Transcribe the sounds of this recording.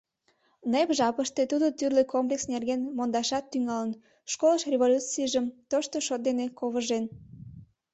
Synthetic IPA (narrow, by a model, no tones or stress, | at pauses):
nepʒɑpəʃt̪e̽t̪ud̪ot̪yrlekomplʲeksnerɣenmond̪ɑʃɑt̪ːyŋɑlən | ʃkoləʃrʲeβolʲut͡siəʒəmt̪oʃt̪oʃot̪̚d̪enekoβəʒen